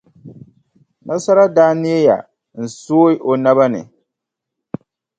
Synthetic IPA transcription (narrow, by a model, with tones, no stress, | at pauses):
na˦sa˦ɾa˦daː˦nɪ˦ja˦ja̰˨ | n̩˨soː˦jɪ˦ʔo˨na˦ba˦nɨ̰˨